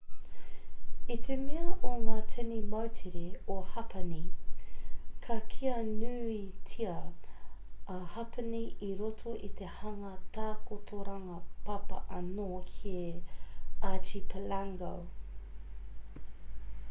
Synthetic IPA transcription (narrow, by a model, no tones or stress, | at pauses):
it̪ʰemeɐʔoŋaːtʰenimɐwtʰiɾeohɐpɐni | kʰɐkʰiɐnʉːitʰiɐ | ɐhɐpəniʔiɾotʰoʔit̪ehɐŋɐt̪aːkotʰoɾɐŋɐpɐpɐ̰ʔɐnoːkʰie | at͡ʃipʰəlaŋɡɐ̰w